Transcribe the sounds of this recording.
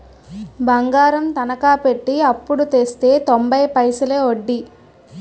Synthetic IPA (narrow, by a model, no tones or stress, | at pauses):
bɐŋɡaːɾɐmt̪ɐnɐkaːpe̞ʈːiɐpːuɽut̪eːst̪e̞ːt̪ombɐjpɐjsɐleːoɖːi